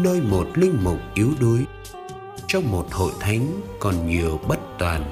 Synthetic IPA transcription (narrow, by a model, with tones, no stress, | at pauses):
nəː˧jmo˨˩t̚lï˧ŋ̟mʊ˨˩k͡p̚ʔi˨˦əwɗu˨˦əj | t͡ɕɔ˧wŋ͡mmo˨˩t̚ho̰˧˨jt̪ʰa˨˦jŋ̟kɔ˨˩nɲi˨˩əwɓə˦˥t̚t̪waː˨˩n